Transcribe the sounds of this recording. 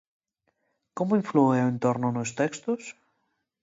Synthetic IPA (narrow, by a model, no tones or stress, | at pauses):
komoiɱflueoent̪oɾnonost̪ekst̪os